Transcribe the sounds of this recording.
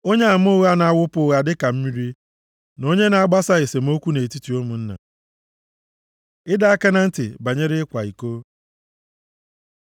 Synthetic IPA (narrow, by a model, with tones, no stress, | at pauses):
o˦ɲe˦a˨m̩˦ʊ˦ɣa˦na˨a˦wʊ˦pʊ˦ɣa˨dɪ˦ka˨m̩˦mi˦ɾi˦ | no˦ɲe˦na˨a˦˨ɡ͡ba˦sa˦ɣɪ˨se˨m̩˦o˦kʷu˦ne˨e˨ti˦ti˨o˦mũ˨n̩˦na̰˨ | ɪ˦da˦a˦ke˦na˦n̩˦tɪ̰˨ba˨ɲe˦ɾɪ˦ɪ˦kʷa˨i˨ko˦